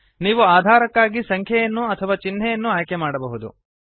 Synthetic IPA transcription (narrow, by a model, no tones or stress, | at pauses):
niːʋuaːd̪ʱaːɾɐkːaːɡisɐŋkʰjɐjɐnːuɐt̪ʰɐʋaːt͡ʃinːɛjɐnːuaːjkɛmaːɽɐbɐɦud̪ṵ